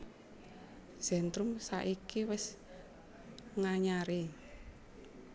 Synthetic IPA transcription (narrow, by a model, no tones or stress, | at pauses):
z̥ɛ̤nt̪ɾʊmsa̰ʔikiwɪs | ŋaɲaɾi